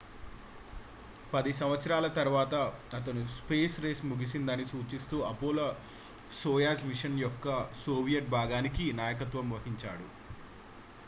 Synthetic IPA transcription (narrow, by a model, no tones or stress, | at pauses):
pɐd̪is̬ɐmʋɐt̪sɐɾaːlɐt̪ɐɾʋaːt̪ɐːt̪ɐnuspeːsɾeːsmuɡisind̪ɐnisuːt͡ʃist̪uːɐpoːlɐ | soːjaːsmiʂɐnjɔkːɐsoːʋijɐʈ̚bʱaːɡaːnikinaːjɐk̬ɐt̪ʋɐmʋɐɦiɲt͡ʃaːɽu